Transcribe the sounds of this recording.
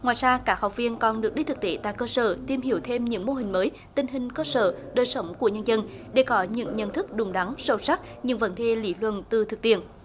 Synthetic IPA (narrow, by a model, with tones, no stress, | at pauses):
ŋwaː˨˩jzaː˧kaː˦˥k̚hɔ˨˩wk͡p̚vi˧ənkɔ˨˩nɗɨ˨˩ək̚ɗi˧t̪ʰɨ˨˩k̚t̪e˧˩t̪a̰ː˧˨jkəː˧səː˧˩t̪i˧mhi˧˩əwt̪ʰe˧mɲɨ̰˧˥ŋmo˧ɦï˨˩ŋ̟məː˨˦j | t̪ï˧˩ŋ̟ɦï˨˩ŋ̟kəː˧sə̰ː˧˨ɗəː˨˩jsə˨˦wŋ͡mku˧˩əɲə˧nzə˧nɗe˧˩kɔ˨˦ɲɨ̰˧˥ŋɲə̰˧˨nt̪ʰɨ˦˥k̚ɗʊ˨˩ŋ͡mɗa˨˦ŋsə˧˩wsa˦˥k̚ɲɨ̰˧˥ŋvə̰˧˥nɗe˧lḭ˧˥lwə̰˧˨nt̪ɨ˨˩t̪ʰɨ˨˩k̚t̪i˧˨ən